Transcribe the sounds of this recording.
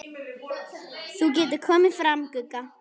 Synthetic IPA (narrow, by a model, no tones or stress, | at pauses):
θuc̬ɛːt̪̬ɪkʰɔːmɪfɾamkɵkːa